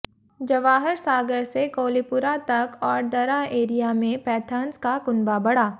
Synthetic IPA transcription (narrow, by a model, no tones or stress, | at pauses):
d͡ʒɐʋaːɦəɾsaːɡəɾsekoːlipʊɾat̪ɐkɔːɾd̪ɐɾaeːɾijamẽpɛːt̪ʰəːnskakʊnbabɐɽaː